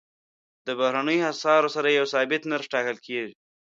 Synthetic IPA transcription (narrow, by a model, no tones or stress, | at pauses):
d̪əbahɾanəjoasɑɾosaɾajawsɑbɪt̪naɾʃʈɑkəlkʰeʒi